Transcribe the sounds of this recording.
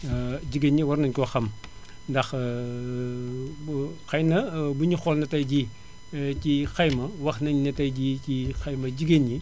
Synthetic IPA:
ɟiɡeɲːiwɐɾnɐnkɔxɐm | dɐx | xɐjnɐbuɲixɔlnɐtɐjɟi | cixɐjmɐwɐxnɐɲnɐtɐjɟiːcixɐjmɐɟiɡeɲji

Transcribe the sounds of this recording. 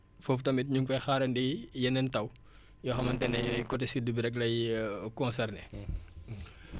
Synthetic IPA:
foftɐmitɲuŋfɐjxaːɾɐndijɛnɛntɐw | jɔxɐmɐntɛnɛjjkɔtɛsidubiɾɛklɐjkɔnsɛrne

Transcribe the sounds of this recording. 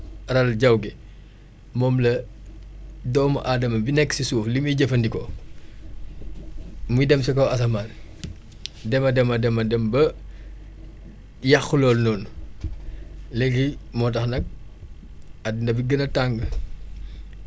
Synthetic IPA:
rɐlɟɐwɡɛ | mɔːmlɐ | dɔːmɐʔaːdɐmɐbinɛkːsisuːflimujɟɐfɐndikɔ | mujdɛmsɛkɔɐsɐmaːn | dɛmɐdɛmɐdɛmɐdɛmbɐ | jɐxulɔːlnɔːn | lɛɡimɔːtɐxnɐk̚ | ɐdindɐbiɡənɐtaŋɡə

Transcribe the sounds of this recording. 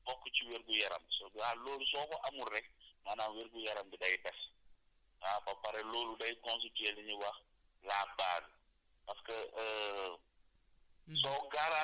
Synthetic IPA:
bɔkːət͡ʃiweɾɡujɐɾɐ̰msɔaloːlusɔːkɔʔɐmurɛk̚maːnaːnweɾɡujɐɾɐmdidɐjtɐs | apɐpɐɾɛloːludɐjkɔns̬itɛliɲiwɐx | laːbaːɡ | pɐskəə | sɔkaɾa

